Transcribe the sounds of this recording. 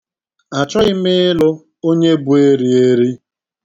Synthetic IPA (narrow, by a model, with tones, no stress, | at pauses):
a˨t͡ʃɔ˦ɪ˦mɪ˦ɪ˦lʊ˦ | o˦ɲe˦bu˨˦e˦ɾi˨e˦ɾi˦